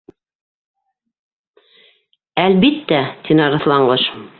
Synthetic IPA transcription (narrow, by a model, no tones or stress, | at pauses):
ælβit̪ːæt̪inɑɾɤ̆θlˠɑɴɢɤʃ